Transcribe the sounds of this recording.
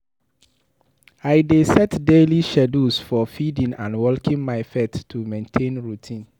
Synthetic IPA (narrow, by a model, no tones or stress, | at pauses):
aɪdesɛtdeliʃɛdusfɔfidĩnãnwɔlkĩnmaɪfɛtʰːumẽntʰẽnɹutʰĩn